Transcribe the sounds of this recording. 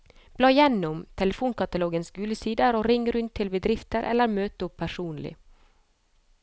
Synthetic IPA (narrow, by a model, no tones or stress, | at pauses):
b̥lɑːjɛnːʊmt̪ʰɛləfuːnkɑt̪ɑloːɡənsɡʉːləsiːd̪əɾoːɾɪŋːɾʉnt̪ʰːɪlbəd̪ɾɪft̪əɾʔɛ̰lːəɾmøːt̪əʊpʰːæʂuːnlɪ̰